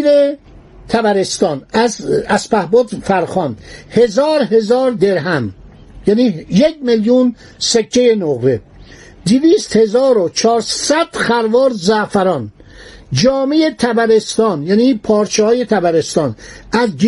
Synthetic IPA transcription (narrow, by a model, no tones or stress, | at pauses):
ɾe | t̪ʰæbæɾest̪ɒːnæzæspæhbod̪fæɾxɒːnhe̞zɒːɾɦe̞zɒːɾd̪e̞ɾɦæm | jæːniːjek̚meljun | sekʰːejenoɣɾe | d̪iviːst̪he̞zɒːɾot͡ʃʰɒːɾsæd̪̥xæɾvɒːɾzæʔfæɾɒːn | d͡ʒɒːmejet̪ʰæbæɾest̪ɒːnjæːniːpʰɒːɾt͡ʃʰehɒːje̞t̪ʰæbæɾest̪ɒːnʔæzɡ